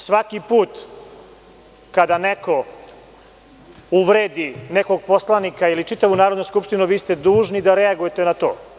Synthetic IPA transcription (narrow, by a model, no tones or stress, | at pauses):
sʋakipuːt̪ | kad̪aneko̞ | uʋɾeːd̪ineko̞ɡ̚po̞slˠanikailit͡ʂit̪aʋunaːɾod̪noskupʂt̪inuʋiːst̪ed̪uːʒnid̪aɾeaɡuje̞t̪enat̪o̞̰ː